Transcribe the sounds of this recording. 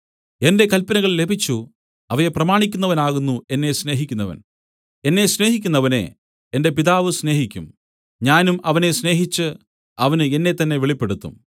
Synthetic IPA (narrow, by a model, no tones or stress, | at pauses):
e̞nde̞kɐlpɐnɐɣɐɭle̞bʱit͡ɕːu | ɐʋɐjeprɐmaːɳik̬ʲːunːɐʋɐnaːɣunːue̞nːe̞sne̞ːɦikʲːunːɐʋɐ̰n | e̞nːe̞sne̞ːɦikʲːunːɐʋɐne̞̰ | ende̞piðaːʋɨsne̞ːɦikʲːum | ɲaːnumʔɐʋɐne̞sne̞ːɦit͡ɕːɨ | ɐʋɐnɨe̞nːe̞t̪ɐnːe̞ʋeɭipːeɽut̪ːṵm